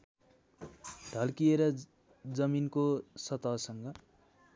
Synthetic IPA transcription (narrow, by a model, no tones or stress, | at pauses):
ɖʱʌlkieɾʌ | d͡zʌminkosʌt̪ʌsʌŋɡʌ